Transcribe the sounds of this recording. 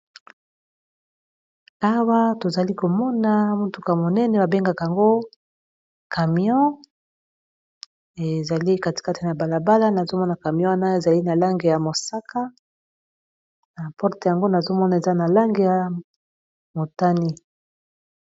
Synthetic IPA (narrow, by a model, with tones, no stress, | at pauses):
a˦wa˦to˨za˨li˦ko˨mɔ˦na˨˦mu˦tu˨ka˨mo˨nɛ˦nɛ˨ba˨be˦ŋɡa˨ka˨ja˨ŋɡo˦ | ka˨mi˨ɔ̃˦ | e˨za˨li˦ka˦ti̥˨ka˦ti˨na˨ba˨la˨ba˦la˦na˨zo˦mɔ˦na˨ka˨mi˨ɔ̃˦wa˦na˦e˨za˨li˦na˨la˦ŋɡe˨ja˨mo˨sa˦ka˦ | na˨pɔ˦ʁte˨ja˨ŋɡo˦na˨zo˦mɔ˦na˨e˨za˦na˨la˦ŋɡe˨ja˨ | mo˨ta˦ni˦